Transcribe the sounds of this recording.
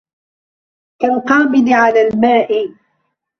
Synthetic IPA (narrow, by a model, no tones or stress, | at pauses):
kalqɑːmɪlɪʕalaːlmaːʔɪ